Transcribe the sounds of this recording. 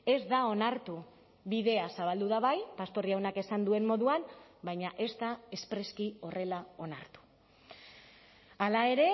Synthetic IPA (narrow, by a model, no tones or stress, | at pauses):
e̞zd̪ao̞naɾt̪u | βiðe̞asaβ̞ald̪uðaβajpast̪o̞riawnake̞sand̪ue̞mmo̞ðuanbajɲaʔe̞zt̪ae̞spɾe̞skio̞re̞lao̞naɾt̪u̥ | alae̞ɾe̞